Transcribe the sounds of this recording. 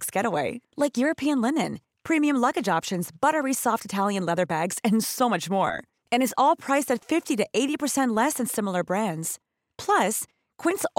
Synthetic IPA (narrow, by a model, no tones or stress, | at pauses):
ksɡ̥ɛɾəweɪlaɪkjʊɹɨpʰiɨ̃nlɪ̃nɨ̰̃n | pʰɹ̥ĩmiɨ̃mlʌɡɨd͡ʒɑpʃɨ̃nzbʌɾə˞isɔftɨtʰælˠjɨ̃nlɛðə˞bæɡz̥ɨ̃nsoʊmʌt͡ʃmɔ̰ɹ | ɨ̃ñɨzɔlˠpʰɹ̥aɪstɨtfɪftiɾɨʔeɪɾipʰə˞sɛ̃nʔˡlɛsɨ̃nsɪ̃ml̩ˠə˞bɹæ̃ndz̥ | pʰl̥ʌs | kʰw̥ɪ̃ns